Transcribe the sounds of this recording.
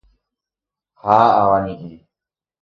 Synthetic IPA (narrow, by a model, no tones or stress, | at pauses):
haaʋanĩʔe